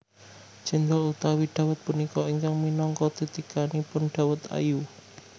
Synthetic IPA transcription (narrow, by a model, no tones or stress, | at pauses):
d͡ʒ̥ɛ̤nd̪ɔlut̪awiɖ̪̥a̤wət̪̚punikɔiŋkaŋminɔŋkɔd̪̥i̤t̪ikanipʊnɖ̪̥a̤wət̪a̰ju